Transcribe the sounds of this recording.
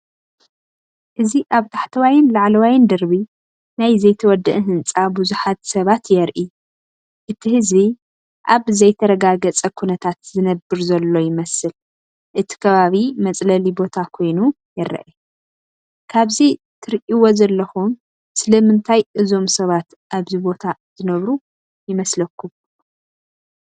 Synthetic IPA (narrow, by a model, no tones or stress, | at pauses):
ʔɨziʔaβt̪ʰaħt̪ʰɐwajɪnlaʕlɐwajɪnd̪ɐɾbi | najzɐjt̪ʰɐwɔd̪ːɨʔɦɨnt͡sʼabuzuħat̪sɐβat̪jɛɾʔi | ʔɨt̪ʰihɨzβi | ʔaβzɐjt̪ʰɐɾɐɡaɡɐt͡sʼɐkʰunɐt̪ʰat̪zɨnɐbɨɾzɐlːo̞jɪmɐsɨl | ʔɨt̪ʰi̥kʰɐβaβimɐt͡sʼlɐlibo̞t̪ʰakʰo̞jnu | jɛɾɐ̰ʔɛ | kʰaβzi | t̪ʰɨɾʔiwozɐlːɐxum | sɨlɐmɨnt̪ʰajʔɨzo̞msɐβat̪ | ʔaβzibo̞t̪ʰaz̥ɨnɐβɾu | jɪmɐslɐkʰːum